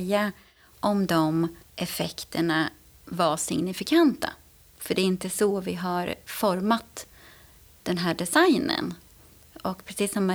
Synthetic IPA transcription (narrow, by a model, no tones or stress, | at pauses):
jːa | ʔɔmd̪ɔmʔɛfɛkt̪ʰəɳa | vaʂɪ̰ŋnɪfɪkʰant̪a̰ | fœɖɛːɪnt̪əsɔvɪ̰ɦaɾfɔɾmat̪ | d̪̥ɛnɦæːɖɛsajnə̰n | ɔkpʰɾɛsiːsːɔma